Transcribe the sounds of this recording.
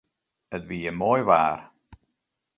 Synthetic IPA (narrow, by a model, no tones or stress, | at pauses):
ətviːəmɔːjvaːɾ